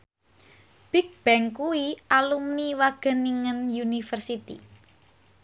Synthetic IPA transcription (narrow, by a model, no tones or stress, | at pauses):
b̥ik̚b̥ɛŋkuiʔalumniwaɡ̥ə̤niŋənjunifərsit̪ḭ